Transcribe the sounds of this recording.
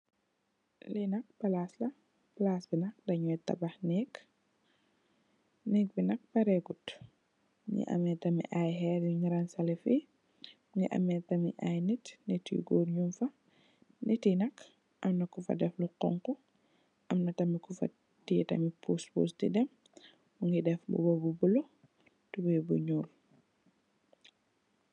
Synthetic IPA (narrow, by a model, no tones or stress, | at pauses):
linɐk̚bɐlaːslɐ | pɐlaːsbinɐk̚dɐɲɔtɐ̰bɐxnɛːk | nɛk̚binɐk̚bɐɾɛɡut | ɲḭʔɐ̰mɛtɐmḭʔajɦɛɾjuɲiɾɐnsɐlifi | ɲiʔɐ̰mɛtɐmḭʔajnitnɛtḭɡɔːrɲumfɐ | nɛtinɐkʰ | ʔɐmnɐkufɐ̰dɛfluqɔ̰ŋkɔ | ʔɐmnɐtɐmikufɐ̰ | titɐ̰mipuspṵːstḭdɛm | uŋɡidɛfbṵbɔbubulo | tubɛjbuɲuːl